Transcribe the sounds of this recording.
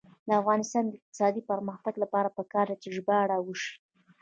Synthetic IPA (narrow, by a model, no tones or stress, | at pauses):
d̪əafɣɑnɪst̪ɑnd̪əɪq̚t̪ɪ̥sɑd̪ipaɾməxt̪aɡlapɑɾapəkɑɾd̪at͡ʃeʒbaaɽawuʃi̥